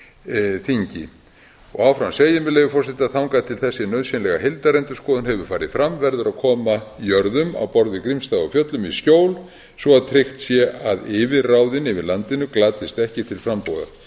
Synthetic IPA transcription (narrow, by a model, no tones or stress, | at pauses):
θiɲcɪ̰ | ɔ̰ɣawfɾamseːjɪmɛleːvʏfɔrsɪt̪aðθawŋkaðt̪ʰɪlθɛsːɪnœðsɛnlɛɣahejlt̪aɾɛnt̪ʏ̥skɔːðʏnɦɛvʏɾ̥faːɾɪð̥fɾamvɛɾðʏɾakʰɔːmajœɾðʏma̰wpɔɾðɪkɾimst̪aːɣɔ̰fjœt̪lʏmiscoːwl | svɔaðt̪ʰɾɪxt̪sjɛʔaðɪːvɪðraːwðɪnɪvɪlant̪ɪnʏklaːt̪ɪst̪ɛhcɪt̪ʰɪlfɾampɔða̰